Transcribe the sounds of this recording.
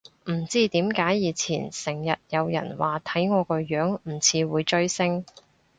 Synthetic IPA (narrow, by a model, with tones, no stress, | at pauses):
m̩˨˩t͡siː˥t̪iː˨˥mkaː˨˥jːiː˨˧t͡sʰiː˨˩nsɪ˨˩ŋjɐ˨t̚jɐ˨˧wjɐ̰˨˩nwaː˨˩t̪ʰɐ˨˥jŋɔː˨˧kɔː˧jœː˨˥ŋm̩˨˩t͡sʰiː˨˧wuː˨˧jt͡ʃɵ˥ɥsɪ˥ŋ